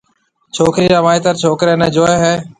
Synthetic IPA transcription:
t͡ʃʰoːkɾiːɾaːʋaːɪt̪əɾt͡ʃʰoːkɾeːnɛ̃ːd͡ʒoːeɦɛː

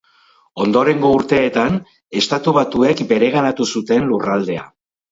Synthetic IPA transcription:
o̞nd̪o̞ɾe̞ŋɡo̞uɾt̪e̞ːt̪an | e̞st̪at̪uβ̞at̪ue̞kbe̞ɾe̞ɣ̞anat̪usut̪e̞nlurald̪e̞a̰

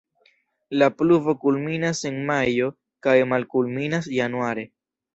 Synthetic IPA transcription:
lapluvo̞kulminase̞nmajo̞ | kajmalkulminasjanuaɾe̞

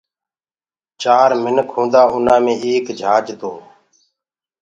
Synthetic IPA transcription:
t͡ʃaːɾmɪnkʰɦõːd̪aːʊn̤ãːmẽːeːkd͡ʒʱaːd͡ʒt̪oː

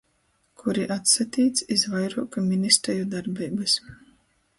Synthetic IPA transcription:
kʰuɾiʔat̪sat̪iːt̪sʲizvajɾuːkamʲinist̪ɾɛjud̪aɾbʲiːbɨs

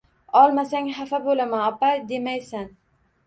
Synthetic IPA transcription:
ɒlˠmasaŋhafabolamaɒpad̪e̞majsan

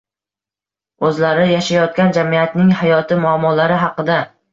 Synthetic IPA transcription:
ɵzlaɾɪjaʃajɒt̪̚kʲand͡ʒamijat̪nɪŋhajɒt̪ʰɪmʊamːɒlaɾɪɦɑqɨd̪a

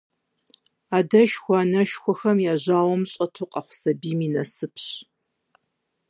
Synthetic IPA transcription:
aːdɐʃxʷanɐʃxʷɔxɐmjaːʑaːwɔmɕʼɐtʰuːqʼɐχʷʊ̥sɐbiːmiːnɐsɨpʰɕ

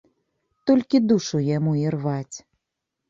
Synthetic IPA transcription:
t̪ɔlʲkʲid̪uʂujamuirvat͡sʲ

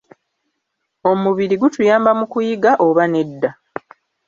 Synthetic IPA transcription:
o̞muβiɾiɡutujaːmbamukujiɡaʔo̞βane̞dːa

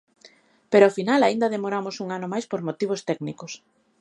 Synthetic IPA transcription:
peɾoafinalaind̪aðemoɾamʊsuŋanʊmajspoɾmot̪iβ̞ost̪ɛɡnikʊs

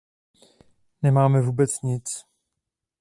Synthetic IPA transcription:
nɛmaːmɛvuːbɛt͡sɲɪt͡s

